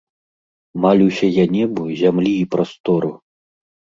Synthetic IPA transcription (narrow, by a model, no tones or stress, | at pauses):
malʲiwsʲɐjanʲɛbuzʲamlʲiːpɾast̪ɔɾu